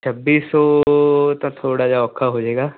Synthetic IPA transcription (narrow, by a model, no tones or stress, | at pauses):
t͡ʃʰəbiːsɔːt̪ãːt̪ʰoːɽaːd͡ʒaːɔːkʰːaːɦoːd͡ʒeːɡaː